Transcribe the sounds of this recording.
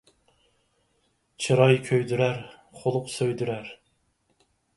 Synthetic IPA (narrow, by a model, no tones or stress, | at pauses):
t͡ʃʰɨɾɑjkʲʰøjd̪yɾæɾ | χolˠʊqsøjd̪yɾæɾ